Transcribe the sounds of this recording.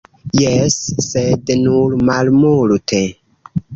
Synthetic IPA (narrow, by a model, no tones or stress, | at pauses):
jesːednuɾmalmultʰe